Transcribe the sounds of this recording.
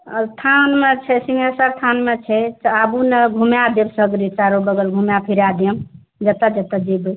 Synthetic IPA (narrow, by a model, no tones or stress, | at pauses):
st̪ʰanmet͡ʃʰɛsiŋesaɾt̪ʰanmet͡ʃʰɛt̪abunəɡʱumjad̪ebsəɡɾitaɾobəɡəlɡʱumjapʰiɾad̪əm | d͡ʒət̪əd͡ʒət̪əd͡ʒibə